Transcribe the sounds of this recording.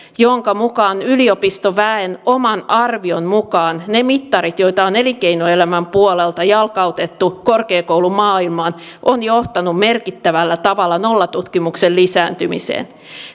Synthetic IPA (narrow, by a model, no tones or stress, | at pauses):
joŋkɑmukɑːnyliopist̪oʋæenomɑnɑrʋionmukɑːnnemit̪ːɑɾit̪jo̞it̪ɑone̞likejnoe̞læmæmpuolelt̪ɑjɑlkɑut̪et̪ːukorkeːkowlumɑːilmɑːn | ʔonjoht̪ɑnumme̞rkit̪ːæʋælːæt̪ɑʋɑlːɑno̞lːɑt̪ut̪kimuksellisæːnt̪ymḭsḛːn